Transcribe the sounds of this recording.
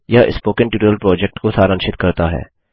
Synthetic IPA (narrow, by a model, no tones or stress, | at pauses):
jaʔɪ̰spoːkənʈuːʈəɾəlpɾɔːd͡ʒɛk̚ʈkosaːɾə̃nʃɪt̪kɐɾt̪aɦɛ̰ː